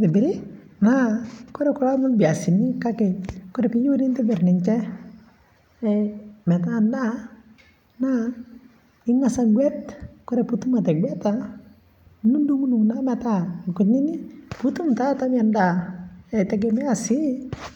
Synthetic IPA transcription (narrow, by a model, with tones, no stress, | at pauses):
tɪ˨bɪ˨ɾɪ˦ | na˦kɔ˦ɾɛ˦kʊ˦la˦mʊ˦bja˨sɪ˨ni˦ka˦kɛ˨kɔ˦ɾɛ˨pi˦ju˦nɪ˦ntɪ˦bɪ˨ɾnɪ˨ɲt͡ʃɛ˦ | ɛmɛ˨ta˦nda˦ | na˦ | ɪ˦ŋa˦sa˦ŋɡwɛ˦tkɔ˦ɾɛ˨pu˦tu˦ma˨tɛ˨ɡwɛ˦ta˦˨ | nu˦ndu˦ŋu˦nu˨ŋna˦mɛ˨ta˦˨ku˨tnɪ˦nɪ˦pu˦tu˦mta˦ta˦m˦a˨nda˨ɛ˨tɛ˨ɡ̬ɛ˦mɛ˦a˨sɪ˦